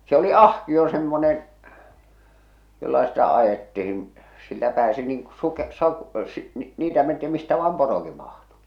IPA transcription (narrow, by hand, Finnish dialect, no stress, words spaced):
se oli ɑhkio semːonen jolːɑ sitæ ɑjetːihin silːæ pæːsi niːŋ ku suke sɑ si niːtæ menti mistæ ʋɑːm poroki mɑhtu